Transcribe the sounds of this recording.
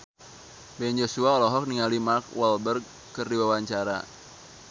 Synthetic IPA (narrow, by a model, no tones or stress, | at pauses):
bɛnd͡ʒosuaɔlɔɦɔk̚niŋalimarkwɔlbərɡ | kɨrdiwawaɲt͡ʃaɾa̰